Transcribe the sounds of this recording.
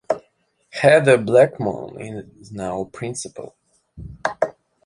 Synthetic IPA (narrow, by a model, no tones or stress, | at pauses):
hɛðəblækmõ̰ʊ̃nɪ̰̃n | znaʊpʰɹ̥ɪ̃nsɨpə̰l̩ˠ